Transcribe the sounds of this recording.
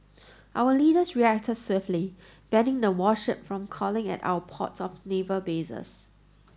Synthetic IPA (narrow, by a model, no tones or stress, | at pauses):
ʔawəliːdəsɹiɛk̚tʰədswefli | b̥ɛ̃nɪ̃ŋdəwɔʃɪp̚fɹɔ̃mkʰɔlɪ̃ŋɛ̰ta̰ʊəpʰɔ̰tsɔfnevəbesə̰s